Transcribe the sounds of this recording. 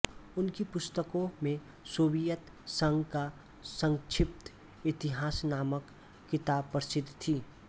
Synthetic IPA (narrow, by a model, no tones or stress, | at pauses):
ʊnkipʊst̪əkõmẽ | soːbijət̪ | sə̃ŋɡka | sə̃ŋʃʰɪp̚t̪ | ɪt̪ɪɦaːsnaːməkː | ɪt̪aːbpəɾsɪd̪ʱt̪ʰiː